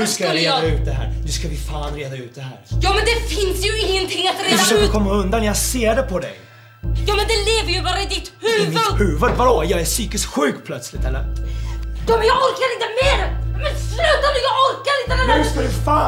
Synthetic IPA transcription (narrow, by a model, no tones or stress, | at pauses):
hɵskavaɾeːd̪aʉ̟ːt̪̚d̪ɛɦæ̰ːɾnɵskavɪfaːnɾeːd̪aʉ̟ːt̪̚d̪ɛhæ̰ːɾjɑːmɛnd̪ɛfɪnsjɵɪŋːənt̪ʰɪŋːat̪ɾsad̪əkʰɔmːaɵnd̪anːjɑɡseːɖɛpʰɔd̪ɛ̰j | jɑːmɛnd̪ɛleːvəɾjɵbɑːɾaɪd̪ɪt̪hʉːmɪvəd̪hʉ̟ːvəd̪vaɾoːjɑːæʂyːkɪst̪ɧʉ̟ːkpʰlœt̪slɪt̪ɛlːəɾ | jɑːmɛnjɑːɡɔɾkaɾɪnt̪əmeːɾmɛnslʉ̟ːt̪anəjɑɡɔɾkaɾɪnt̪əmɛnʉskad̪ɵfaː